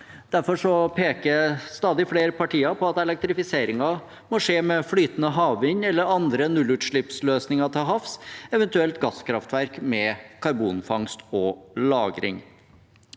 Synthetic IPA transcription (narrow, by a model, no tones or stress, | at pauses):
d̪̥æɾfɔʂɔpʰeːkəst̪ɑːd̪ɪfleːɾəpʰɑʈʰiːɑpʰɔɑt̪ɛlɛk̚t̪ɾɪfɪseːɾɪŋɑ | mɔʂeːmɛflyːt̪ənəɦɑːʋɪɲːɛlːəɾɑnd̪ɾənʉlːʉːt̪ʂɭɪpsløːsnɪŋɑt̪ʰɪlɦɑfsɛʋɛnt̪ʉɛlt̪ɡɑskʰɾɑft̪ʋæɾkmɛkʰɑɾbuːnfɑŋst̪ɔlɑːɡɾɪ̰ŋ